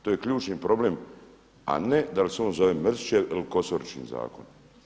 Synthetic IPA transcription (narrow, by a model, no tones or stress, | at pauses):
t̪oːjekʎuːt͡ʃnipɾo̞bleːm | a̰ned̪aliseoːnzo̞ʋemːr̩zt͡ʃeiliko̞soɾit͡ʃkḭnza̰ːkon